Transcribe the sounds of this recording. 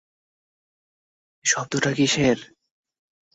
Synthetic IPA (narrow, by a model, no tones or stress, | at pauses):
ʃɔb̚t̪oʈʰakiʃeɾ